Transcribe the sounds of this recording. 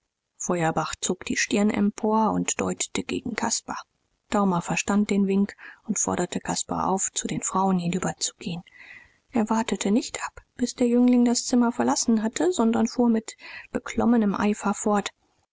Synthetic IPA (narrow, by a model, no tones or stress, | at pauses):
fɔʏɐbaχt͡soːkd̥iːʃtɪɐnʔɛ̰mpʰoːɐʊ̰ntd̥ɔ̰ʏtə̥təɡ̥ḛːɡŋ̩kʰaspa | d̥aʊmɐfɛɐʃtant̚d̥eːnvɪŋkʊntfɔ̰ɐɾɐtʰəkʰaspa̰ʔa̰ʊft͡sudeːnfʁ̥aʊənhɪnyːbɐt͡su̥ɡ̥eːən | ʔeːɐvaɐtətʰənɪçtʔapb̥ɪsd̥eːɐjʏŋlɪŋdast͡sɪmɐfɛɐlasn̩ɦatʰəzɔndɐnfuːɐmɪtb̥əkʰl̥ɔmənəmʔa̰ɪfɐfɔɐt